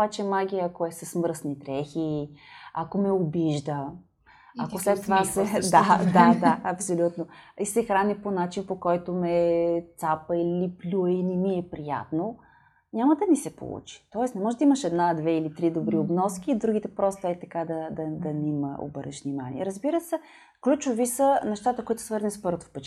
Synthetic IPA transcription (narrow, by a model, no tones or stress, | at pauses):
obat͡ʃɛmaɡʲiəɐkoɛsɛsmɾsnit̪ɾɛxi | ɐkomɛobiʒd̪ə | ɐkoslɛt̪ːovasɛd̪ad̪ad̪aɐpsolʲut̪noisɛxɾanʲiponat͡ʃinpokɔjt̪omɛt̪sapəiliplʲuininiɛpɾija̰t̪no | nʲaməd̪ɐnisɛpo̰lˠṵt͡ʃi̥t̪ɔɛsnɛmɔʒɛd̪əiməʃɛd̪nad̪vɛilit̪ɾid̪obɾiobnɔsk̟iːd̪ɾuɡ̟it̪ɛpɾɔst̪ɛt̪ːɐkad̪ɐd̪ɐd̪ɐnimə̰o̰bəɾɛ̰ʃvnimanḭɛ̰ɾəzbiɾəsɛ | klʲut͡ʃovisənɛʃt̪at̪əkoit̪ʊ̥svɤɾnɛspɤɾvot̪o̥fpɛt͡ʃ